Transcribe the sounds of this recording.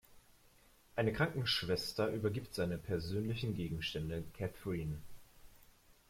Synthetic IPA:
ʔaɪnəkʁ̥aŋkŋ̩ʃv̥ɛstɐʔyːbɐɡiːptz̥aɪnəpʰɛɐzøːnlɪçn̩ɡeːɡŋ̩ʃtɛndəkʰɛθɹiːn

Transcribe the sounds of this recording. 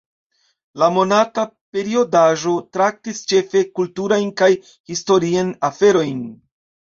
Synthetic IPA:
lamo̞natape̞ɾio̞daʒo̞tɾak̚tist͡ʃe̞fe̞kultuɾajnkaj | histo̞ɾianafe̞ɾo̞jn

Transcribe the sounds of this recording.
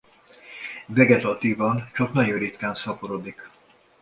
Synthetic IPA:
vɛɡɛt̪ɒt̪iːvɒnt͡ʃɒknɒɟoːɾit̪kaːnsɒpoɾod̪ik

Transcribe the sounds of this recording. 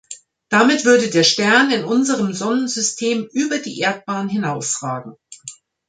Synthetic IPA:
d̥amɪtv̥ʏɐdədeːɐʃtɛɐnɪnʔʊnzəʁəmzɔnənzʏstʰeːmʔyːbɐdḭːʔeːɐt̚b̥aːnɦɪnaʊsʁ̥aːɡŋ̩

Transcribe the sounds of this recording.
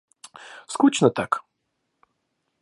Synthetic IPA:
skut͡ʃnɐt̪ak

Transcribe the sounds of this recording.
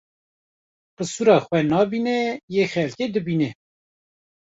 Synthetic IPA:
bɨsuɾɑːxwɛnɑːbinɛjeːxɛlked̪ɨbiːnɛ

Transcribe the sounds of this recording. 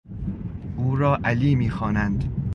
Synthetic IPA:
ʔuːɾɒːʔæliːmiːxɒːnænd̪

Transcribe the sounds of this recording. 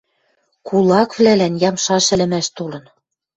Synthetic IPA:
kʰulˠɑkβlælænjɑmʃɑʃɘ̆lɘ̆mæʃt̪olɤ̆n

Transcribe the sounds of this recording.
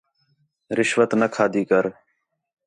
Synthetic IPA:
ɾɪʃʋət̪nəkʰaːd̪iːkəɾ

